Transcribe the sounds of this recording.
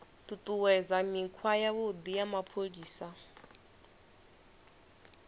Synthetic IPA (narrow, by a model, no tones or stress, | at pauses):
t̪ut̪ʼuwɛd͡zamikʰwajaβod̪ijamapʰoɺiːsa